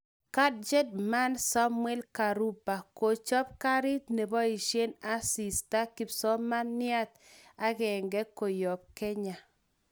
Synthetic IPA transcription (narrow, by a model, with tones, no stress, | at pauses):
ka˦d̚d͡ʒe˦dma˦nsa˦mwɛ˦lka˨ɾu˦pːa˨ko˨t͡ʃɔ˦p̚ka˦ɾɪ˦tne˨bɔ˦i˨ʃje˦na˦si˨sta˦ki˨psɔ˦ma˦nːɪ˦a˦t̪ | a˦ɣɛ˨ŋɡɛ˦ko˨jɔ˨p̚kɛ˦ɲa˨